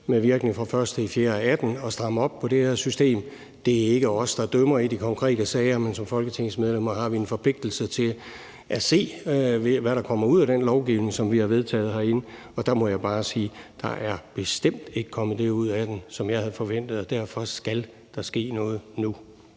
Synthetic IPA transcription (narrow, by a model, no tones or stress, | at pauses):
meʋiɐɡ̥ne̝ŋfʁɑ̈fɶɐsd̥əifjeːɐæd̥nɒ̽sd̥ʁɑ̈məɒ̽b̥̚pʰɒ̽ɾ̥e̝hæɐsysd̥e̝̰ːm | d̥e̝æe̝ɡ̥əɒ̽sd̥ɑ̈d̥œmɐid̥ikʰɒ̽ŋkʰʁɛ̰ːd̥əsɛːɐmensɒ̽mfɒ̽lɡ̥ət͡sʰeŋ̰̩smeð̞ˠlem̰ɐɦɑ̈ʋie̝nfɒ̽pʰle̝ɡ̥̚d̥l̩sət͡sʰe̝l | ʔæse̝̰ː | ʋæɾɑ̈kʰɒ̽m̰ɐuð̰ˠæɾ̥enlɒʊɡ̥iʊne̝ŋsɒ̽mʋihɑ̈ʋe̝ð̞ˠt͡sʰɛ̰ːð̞̩ˠɦɑ̈e̝n | ɒ̽d̥ɑ̈mɒ̽jɑ̈ɪb̥ɑ̈ːsiːd̥ɑ̈ʔæɐb̥e̝sd̥em̰d̥e̝ɡ̥ə̥kʰɒ̽mð̩ˠd̥e̝uð̞̰ˠæd̥ensɒ̽mjɑ̈ɪhæðˠfɒ̽ʋen̰d̥ð̞̩ˠɒ̽d̥æɐ̰fɒ̽sɡ̥æl | d̥ɑ̈sɡ̥e̝̰ːnɔ̽ːð̞̩ˠnu